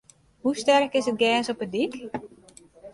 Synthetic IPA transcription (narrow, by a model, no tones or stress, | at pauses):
hustɛrkɪsət̚ɡɛːsɔpədik